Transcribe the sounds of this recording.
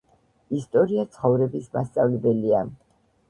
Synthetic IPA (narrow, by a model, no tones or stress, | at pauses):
ist̪ʼɔɾiat̪sʰχɔvɾɛbisma̰st̪sʼavlɛbɛlia